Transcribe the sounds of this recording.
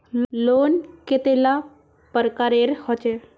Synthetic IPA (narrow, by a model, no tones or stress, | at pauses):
loːnket̪ela | pəɾkaɾeɾhɔt͡ʃe